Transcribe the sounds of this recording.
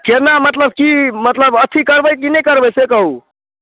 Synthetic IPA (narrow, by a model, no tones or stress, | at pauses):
kenamət̪ləb̚kimət̪ləbət̪ʰikəɾbəjkinəjkəɾbəjsekəɦu